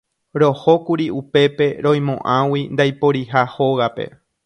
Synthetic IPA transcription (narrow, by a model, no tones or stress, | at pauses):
ɾo̞ho̞kuɾiupe̞pe̞ɾõ̞j̃mõ̞ʔãwind̪ajpoɾiɦaho̞ɣape̞̰